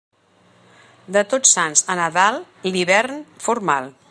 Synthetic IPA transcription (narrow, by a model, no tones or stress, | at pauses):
d̪ət̪osanzənəðalˠ | liβɛrnfuɾmalˠ